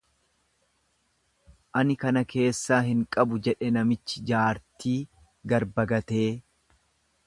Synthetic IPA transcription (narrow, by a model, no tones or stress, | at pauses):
ʔɐnɪkɐnɐke̞ːsːaːɦɪŋkʼɐbʊd͡ʒɛᶑɛnɐmɪt͡ʃːɪd͡ʒaːɾt̪iː | ɡɐɾbɐɡɐt̪e̞ː